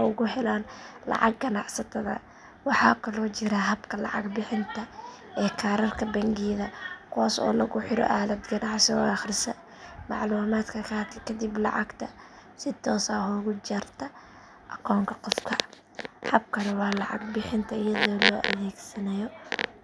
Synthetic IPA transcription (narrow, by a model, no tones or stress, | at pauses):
ʊɣʊɦɛlaːnlɑ̰ʕɑ̰ɡ̚ɡɐnɑʕsɐt̪ʰɐðɐ̰ | wɑħɑːkʰɐlɔːt͡ʃɪɾɐɦɐbkʰɐlɑ̰ʕɑ̰ɡbɪħɪnt̪ʰɐ | ɛːkʰaːɾɐrkʰɐbɛŋɡiːðɐkʰwaːsɔ̰ːlɐɣʊħɪɾɔ̰ʔaːlɐd̪ɡɐnɑʕsɔɑχrɪsɐ | mɑ̰ʕluːmaːd̪kʰɐkʰɐɐt̪ʰɐkʰɐd̪iblɑ̰ʕɑɡt̪ʰɐsɪt̪ʰɔːsaːhʊɣʊt͡ʃɐrt̪ʰɐ | ʔɐkʰɔːŋkʰɐqɔfkʰɐ | hɐb̚kʰɐnɐwɑːlɑʕɑ̰ɡbɪħɪnt̪ʰɐɪjɐðɔːlɔːʔɐ̰ðɛːɡsɐnɐjɔ